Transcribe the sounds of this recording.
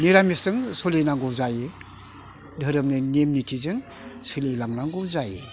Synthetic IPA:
niɾamisɯŋsolenaŋɡɔwzaje | dʱɯɾɯmnɯnemnitʰizɯŋ | sɯlelaŋnaŋɡɔwzaje

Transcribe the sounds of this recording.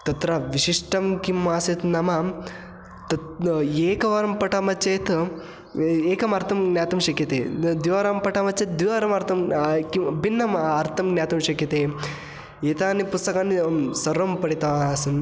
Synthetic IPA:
t̪ɐt̪ɾɐʋiʃiʂʈɐmkimːaːset̪nɐma | t̪ɐeːkɐʋɐɾɐmpɐʈamɐt͡ʃːɐjt̪ | eːkɐmɐɾt̪ʰɐmɡnʲjaːt̪ɐmʃɐkjɐt̪eːd̪iʋaɾampɐʈamɐt͡ʃːɐt̪̚d̪iʋaːɾɐmɐɾt̪ʰɐmkibinːɐmɐɾt̪ʰɐmɡnʲjaːt̪ɐmʃɐkjɐt̪eː | eːt̪aːnːipust̪ɐkaːnːisɐɾɐmpɐɽit̪ɐʋasɐn

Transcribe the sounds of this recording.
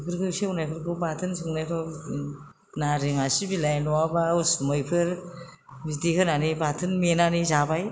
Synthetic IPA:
kʰɯɾkɯsionajpʰɯɾkɯbatʰɯnsɯŋnajpʰa | naɾiŋasibilajnɔwabausmɯjpʰɯɾ | bidikʰɯnanibatʰɯnmenanizabaj

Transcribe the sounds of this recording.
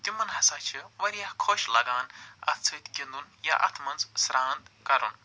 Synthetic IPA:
t̪imɐnɦɐsaːt͡ʃʰiʋɐɾijahkʰoʃlɐɡaːnɐ̰t͡sʰɨt̪ɡʲind̪unja̰ʔɐ̰t̪ʰmɐnzsɾaːnd̪kɐɾṵn

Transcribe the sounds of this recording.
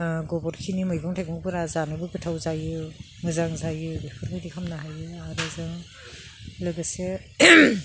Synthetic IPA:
ɡɔbɔɾkʰinimɯjbɯŋtʰajɡɯŋpʰɯɾazanɯbɯbɯtʰawzajɯ | ŋɯzaŋzajɯbipʰɯɾkʰɯjdikʰamnaɦajɯaɾɯzɯŋ | lɯɡɯse

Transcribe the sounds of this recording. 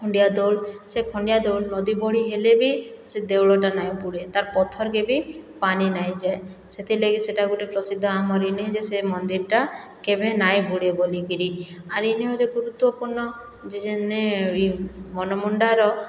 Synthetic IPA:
kʰɔɳɖijad̪oɽsekʰɔɳɖijad̪owɭnɔd̪ibɔɽ̤iɦelebised̪ewɭɔʈanajbuɽet̪aɾpɔt̪ʰɔɾkebipaninajd͡ʒaeset̪ʰileɡiseʈaɡuʈipɾɔsid̪ʱːɔamɔɾineɦed͡ʒesemɔnd̪iɾʈakebʱenajbuɽeboliɡiɾiaɾineɦɔd͡ʒeɡuɾut̪wɔpuɾnɔ | d͡ʒed͡ʒenːeimɔnɔmɔɳɖaɾɔ

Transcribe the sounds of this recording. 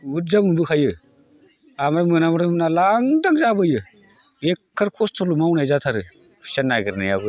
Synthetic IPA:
ut̚zamumbɯkʰajɯ | amɾamɯnamɾɯmnalaŋdaŋzabɯjɯ | ekʰːɯɾkʰɔstʰɔlumawnajzatʰaɾɯ | kʰu̥sanːaɡɯɾnajabɯ

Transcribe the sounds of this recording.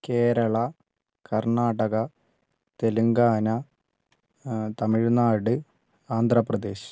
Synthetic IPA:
ke̞ːɾɐɭɐ | kɐrɳaːɽɐɣɐ | t̪e̞luŋɡaːnɐ | t̪ɐmiɻnaːɽɨ | aːnd̪ʱrɐprɐd̪e̞ːɕ

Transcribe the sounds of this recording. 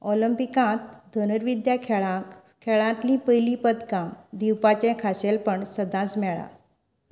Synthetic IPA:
ɔləmpikãt̪d̪ʱənəɾʋid̪jakʰɭa | kʰɛɭãt̪lĩpəjlipəd̪kãd̪iwpat͡ɕɛ̃kʰaɕelpəɳsəd̪ãt͡smɛɭa̰

